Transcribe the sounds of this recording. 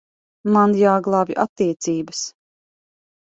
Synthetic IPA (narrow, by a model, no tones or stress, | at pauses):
manjaːɡlˠaːvjʔa̰t̪ːiɛt̪siːbəs